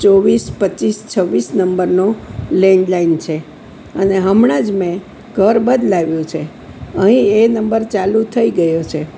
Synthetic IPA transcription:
t͡ʃoʋispət͡ʃist͡ʃʰəʋːisnəmbəɾnolɛ̃ɳɖlaint͡ʃʰe | əneɦəmɳãd͡ʒmẽ | ɡʱəɾbəd̪laʋjũt͡ʃʰe | əɦĩenəmbəɾt͡ʃalut̪ʰəiɡəjot͡ʃʰe

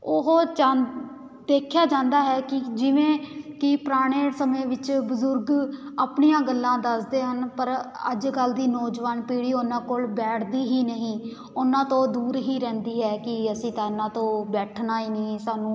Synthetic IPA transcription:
ʊɦd͡ʒaː | d̪eːkʰjaːd͡ʒãːnd̪aːɦɛːkɪd͡ʒɪʋẽːkɪpɾaːɽ̃eːɽsəmẽːʋɪt͡ʃbʊzʊɾɡaːpɳijãːɡəlːãːd̪əsd̪eːɦənpəɾə̰d͡ʒɡəld̪iːnɔːd͡ʒʋaːnpiːɽiːʊnãːkoːlbɛːʈʰd̪iːɦiːnəɦĩː | ʊnãːt̪õːd̪uːɾɦiːɾɛ̃ːnd̪iːɦɛːkɪəsĩːt̪ãːɪnãːt̪õːbɛːʈʰnaːiːnĩːsaːnũː

